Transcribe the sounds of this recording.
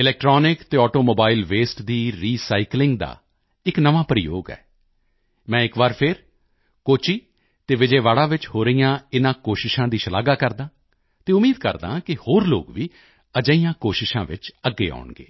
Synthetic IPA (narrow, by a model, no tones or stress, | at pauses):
ɪlɛːk̚ʈɾɔːnɪkt̪eːɔːʈoːmoːbaːɪlʋeːsʈd̪iːɾiːsaːiklɪ̃ŋɡd̪a̰ː | ɪknəʋãːpɾɪjo̰ːɡɛ̰ː | mɛ̃ːɪkʋaːɾpʰɪɾ | koːt͡ʃiː | t̪eːʋɪd͡ʒeːʋaːɽaːʋɪt͡ʃhoːɾəijãːɪnãːkoːʃɪʃãːd̪iːʃəla̰ːɡaːkəɾd̪ãː | t̪eːʊmiːd̪kə̰ɾd̪ã̰ːkɪhoːɾlo̰ːɡʋiː | əd͡ʒəijãːkoːʃɪʃã̰ːʋɪ̰t͡ʃəɡːḛːa̰ːʊɳɡḛː